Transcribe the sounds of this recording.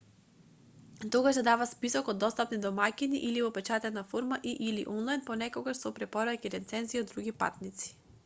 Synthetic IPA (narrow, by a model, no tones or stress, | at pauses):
t̪oɡaʃd̪ɛd̪avaspisɔkɔd̪ːɔst̪apnid̪ɔmakinḭʔilivɔpɛt͡ʃat̪ɛnafoɾmaʔiʔilḭʔɔnlˠajnpɔnɛkoɡaʃsɔpɾɛpɔɾakiɾɛt̪sɛnziod̪ːɾuɡipa̰t̪nit̪si̥